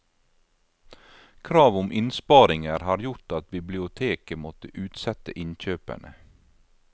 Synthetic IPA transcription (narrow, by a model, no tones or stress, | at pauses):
kʰɾɑːʋʊmʔɪnspɑːɾɪŋəɾhɑːɾjʊʈɑt̪̚bɪblɪʊt̪ʰeːkəmɔt̪əʔʉːt̪sɛt̪ə̰ʔɪnçøːpə̰ɳə